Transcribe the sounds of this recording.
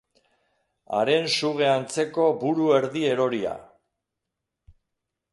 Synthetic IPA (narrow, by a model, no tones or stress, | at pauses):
a̰ɾe̞nsuɣe̞ant͡se̞ko̞buɾue̞ɾðie̞ɾo̞ɾia̰